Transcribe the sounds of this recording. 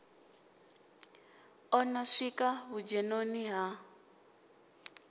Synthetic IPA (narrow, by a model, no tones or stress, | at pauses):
ɔnɔʂikaβud͡ʒɛnoniɦa